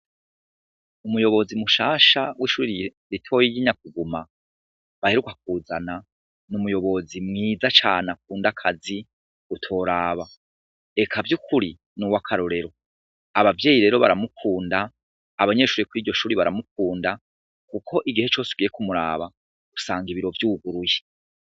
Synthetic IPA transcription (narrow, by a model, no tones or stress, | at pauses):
umujo̞βo̞zimuʃaːʃawʔiːʃuːɾi | ɾitʰo̞jijiɲak̚uɡuma | βahe̞ɾukak̚uːzana | numujo̞βo̞zimŋiːzat͡ʃaːnak̚uːndakʰazi | utʰo̞ːɾaːβa | e̞kʰavjukʰuɾi | nuwakʰaɾoɾe̞ɾo̞ | aβavje̞ːjiɾe̞ːɾo̞βaɾamukʰuːndaː | βaɲe̞ʃuːɾikuɾiːɾɟo̞ʃuːɾiβaɾamuk̚uːnda | kukʰo̞ʔiɡihe̞t͡ʃo̞ːsuɡije̞kumuɾa̰ːβa | ɡusaːŋɡiβiɾo̞vjuːɡuɾuje